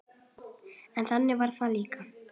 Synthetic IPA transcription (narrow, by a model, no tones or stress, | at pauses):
ɛnθanːɪvaɾ̥θaliːka